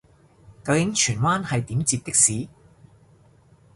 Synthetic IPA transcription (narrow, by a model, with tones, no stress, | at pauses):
kɐ˧wjɪ˨˥ŋt͡ʃʰyː˨˩nwaː˥nhɐ˨jt̪iː˨˥mt͡siː˧p̪̚ɪ˥k̚siː˨˥